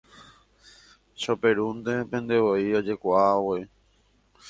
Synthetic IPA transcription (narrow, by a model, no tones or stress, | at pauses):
ʃope̞ɾund̪e̞pẽ̞nd̪e̞ʋoiod͡ʒe̞kʷaawoi